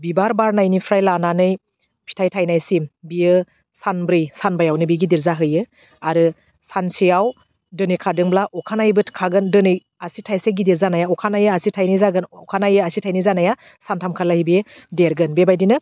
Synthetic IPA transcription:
bibaɾbaɾnajnipʰɾajlananɯj | pʰi̥tʰajtʰajnajsimbiɯ | sanbɾɯjsanbajawnɯbiɡidiɾzaɦɯjɯ | aɾɯ | sansijaw | dɯnikʰadɯŋblaʔɔkʰanajbɯtkʰaɡɯndɯnɯj | asitʰajseɡidiɾzanajaɔkʰanajɯasitʰajnizaɡɯnɔkʰanajɯasitʰajnizanaja | santʰamkʰalahibi | deɾɡɯnbebajdinɯ

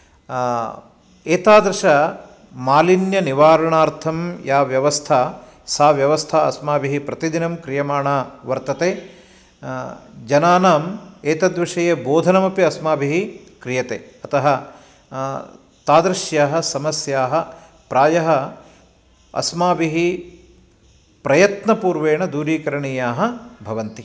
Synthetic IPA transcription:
eːt̪aːd̪ɾɐʃɐ | maːlinjɐniʋaːɾɐɳaːɾt̪ʰɐmjaːʋjɐʋɐst̪ʰa | saːʋjɐʋɐst̪ʰaɐ̰smaːbiɦipɾɐt̪id̪inɐmkɾijɐmaːɳaːʋɐɾt̪ɐt̪eː | d͡ʒɐnaːnaːmeːt̪ɐd̪ʋiʂɐjeːboːd̪ʱɐnɐmɐpiɐsmaːbiɦi | kɾijɐt̪ḛːɐt̪ɐɦɐ̆ | t̪aːd̪ɾɐʃjaːɦɐ̆sɐmɐsjaːɦɐ̆ | pɾaːjɐɦɐ̆ | ɐ̰smaːbiɦi | pɾɐjɐt̪nɐpuːɾʋeːɳɐd̪uːɾiːkɐɾɐɳiːjaːɦɐ̆bʱɐʋɐnt̪i

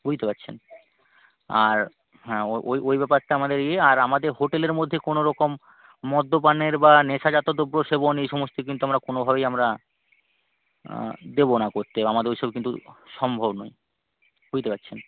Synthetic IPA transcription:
bud͡ʑt̪epatːɕʰḛn | aɾ | ɦɛoʔojʔojbɛpaɾʈaamad̪eɾieaɾamad̪eɾɦoʈeleɾmod̪ʱːekonoɾɔkomː | ɔd̪ːopaneɾbaneʃad͡ʑat̪od̪obɾoʃebonejʃɔmost̪ek̬int̪uamɾakonobʱaβejamɾa | d̪ebonakoɾt̪eamad̪eɾɦiʃobekint̪uʃɔmbʱobno̰j | b̥ud͡ʑt̪epatːɕʰen

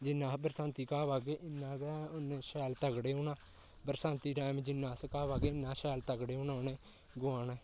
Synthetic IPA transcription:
d͡ʒɪnːãːbəɾsãːnt̪iːkaːʋaːɡeːʔɪnːãːɡɛʊnːʃɛːlt̪əɡɽeːoːnãː | bəɾsãːnt̪iːʈaːɪmd͡ʒɪnːãːskaːʋaːɡeːɪnːãːʃɛːlt̪əɡɽeːnaːʊnẽː | ɡʊãːnɛː

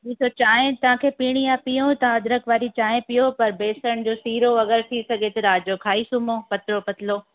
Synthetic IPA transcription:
d͡ʑiːsʰot͡ɕaːẽt̪ɐʋ̤ãkʰeːpiːɽ̃ijãpijõt̪ãɐd̪ɾəkʋaːɾit͡ɕaːɦẽpijopɐɾbeːsəɽ̃d͡ʑoːsiːɾoɐɡəɾt̪ʰisɐɡʱet̪ɐɾaːd͡ʑokʰaːisumõːpɐt̪ɾopɐt̪ʰɪloː

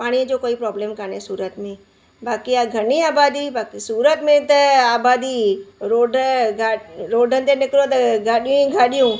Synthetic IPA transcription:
paːɽ̃ĩd͡ʒoːkoːipɾɔːblẽːmkənesuːɾət̪mẽ | baːkiaɡʱɐniaːbaːd̪ibaːkisuːɾət̪mẽt̪ɐaːbaːd̪iɾoːɖaɾoːɖʱənt̪enɪkɾot̪ɐɡʱaːɗijũɡʱaːɗijũː

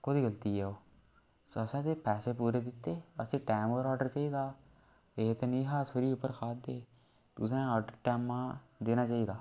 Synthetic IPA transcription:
koːd̪iːɡəlt̪iːɛːoː | səsãːt̪eːpɛːseːpuːɾeːd̪ɪt̪ːeːəsĩːʈɛːmoːɾɔːɖəɾt͡ʃaːiːd̪aː | et̪eːnĩːɦaːsoɾiːʊpːəɾkʰaːd̪eː | t̪ʊsãːɔːɖəɾʈɛːmãːd̪eːnaːt͡ʃaːiːd̪aː

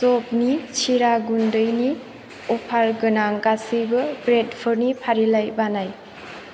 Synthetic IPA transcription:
sɔp̚nit͡ʃʰiɾaɡundɯjni | ɔpʰaɾɡɯnaŋkasibɯbɾedpʰɯɾnipʰaɾilajbanaj

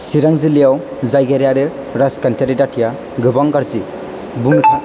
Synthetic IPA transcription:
siɾaŋzilijaw | zajɡaɾijaɾe | ɾaskantʰaɾidatʰija | ɡɯbaŋɡaɾzi | bunutʰa

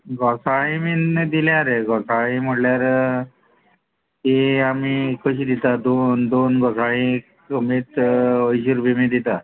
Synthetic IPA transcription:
ɡɔsaĩmid̪iljaɾeɡɔsaĩm̤əɽljaɾ | eamikəɕ̬iːd̪it̪ad̪ond̪onɡɔsaĩk | əmiːt̪əjɕ̬iɾubemid̪it̪a

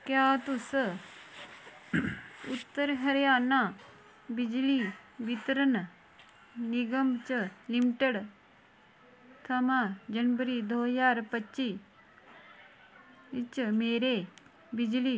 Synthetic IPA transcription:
kjaːt̪us | ut̪ːəɾɦɐɾjaːnaː | bid͡ʒliʋit̪ɾən | niɡəmt͡ʃəlimʈəɽ | t̪ʰɐmad͡ʒɐnʋəɾiːd̪oːjaːɾpɐt͡ʃːiː | t͡ʃmeːɾe | bid͡ʒliː

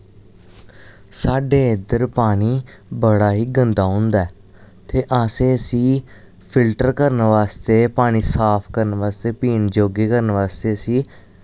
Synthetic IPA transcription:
saːɖeːɪd̪əɾpaːɽ̃iː | bəɽaːɦiːɡənd̪aːɦʊ̃nd̪aɛː | t̪ʰeːʔaːsẽːsiː | pʰɪlʈəɾkəɾnʋaːst̪eːpaːɽ̃iːsaːpʰkəɾnʋaːst̪eːpiːnd͡ʒoːɡeːkəɾnʋaːst̪eːsiː

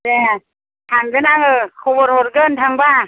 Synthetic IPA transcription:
de | tʰaŋɡɯnaŋɯkʰɔbɔɾhɔɾɡɯntʰaŋba

